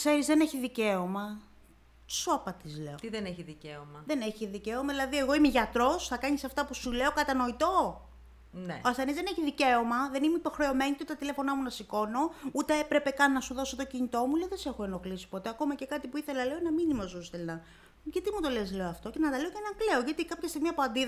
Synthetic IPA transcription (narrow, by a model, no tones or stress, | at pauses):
kse̞ɾizðe̞neçiðice̞omɐ̥ | soɐpɐt̪izle̞̰ot̪iðeneçiðiceomɐðe̞ne̞çiðice̞omɐðilɐðie̞ɣo̞imeʝɐt̪ɾo̞sθɐkɐɲisɐft̪ɐpusule̞o̞kɐt̪ɐno̞it̪o̞ | neɐst̪enizðeneçiðice̞o̞mɐðe̞nimeipo̞xɾe̞o̞me̞nit̪ot̪t̪ɐt̪ile̞fo̞nɐmunɐsiko̞no̞ut̪e̞epɾe̞pe̞kɐnːɐsuðo̞so̞t̪o̞cinit̪o̞muleoðese̞xoeno̞xlisi̥po̞t̪e̞ɐko̞mɐce̞kɐt̪ipuiθe̞lɐle̞onɐminimosust̪elnɐ | ʝɐt̪imut̪o̞le̞sle̞oɐft̪o̞ce̞nɐt̪ɐle̞ocnɐkle̞o̞ʝɐt̪ikɐpçɐst̪iɣmiɐpoɐnd̪ið